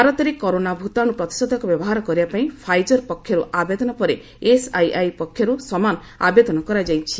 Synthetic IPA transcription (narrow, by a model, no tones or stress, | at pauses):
aɾɔt̪ɔɾekɔɾonabʱut̪aɽ̃upɾɔt̪i̥sɔd̪ʱɔkɔbjɔbɔɦaɾɔkɔɾibapaĩpʰajd͡ʒɔɾpɔkʰːjɔɾuʔabed̪ɔnɔpɔɾe | esajajpɔkʰːjɔɾusɔmanɔ | abed̪ɔnɔkɔɾad͡ʒajt͡ʃʰi̥